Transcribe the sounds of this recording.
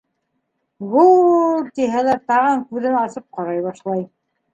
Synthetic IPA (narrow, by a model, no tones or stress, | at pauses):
βult̪iɦælæɾt̪ɑʁɤŋkʉðɘnɑsɤp̚qɑɾɑjβɑʃlˠɑj